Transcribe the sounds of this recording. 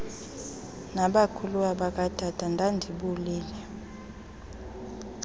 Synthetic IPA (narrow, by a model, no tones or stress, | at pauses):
naɓakʰuluwaɓak̬ʼatʰatʰandʱandʱiɓuliːlɛ